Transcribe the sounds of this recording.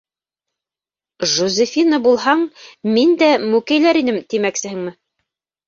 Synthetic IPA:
ʒuzʲɘfʲinəbulˠhɑɴmind̪æmʉkæjlæɾinɘmt̪imæksɘ̆hɘŋmɘ

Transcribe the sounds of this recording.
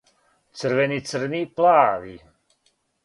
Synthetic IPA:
t̪t͡s̪ərʋɛnisərniplaːʋi

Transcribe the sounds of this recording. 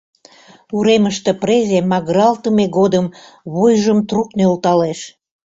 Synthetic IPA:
uɾeməʃt̪ĕprezemɑɣɾɑlt̪əmeɣod̪əm | βojʒəmt̪ruknelt̪ɑleʃ

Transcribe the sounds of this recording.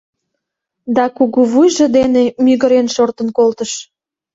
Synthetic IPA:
d̪ɑkuɣuβujʒĕd̪enemyɣə̆ɾenʃort̪ə̆nkolt̪əʃ

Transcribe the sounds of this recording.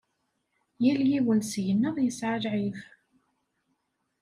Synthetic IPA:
jæljiwənsʝənːəðˤjəsʕalʕif

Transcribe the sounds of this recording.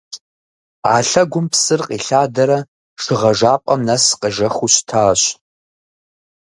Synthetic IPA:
a̰ːɬɐɡʷʊmpsɨrqʼiɬaːdɐɾɐ | ʂɨʁɐʒaːpʼɐmnɐsqəʒɐxuɕtʰaːɕ

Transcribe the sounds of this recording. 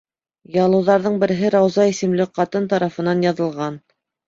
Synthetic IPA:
jɑlˠɤ̆wðɑɾðɤɴbɘ̆ɾɘ̆ɦɘɾɑwzɑisɘ̆mlɘqɑt̪ɤnt̪ɑɾɑfɤ̆nɑnjɑðɤ̆lˠʁɑn

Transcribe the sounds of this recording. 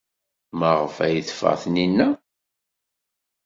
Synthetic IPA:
məʁəfæjəθfə̰ʁθninːæ

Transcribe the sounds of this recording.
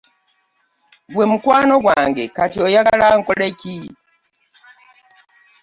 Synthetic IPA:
ɡwe̞mukwaːno̞ɡwaːŋɡe̞katiojaalaŋkoleci

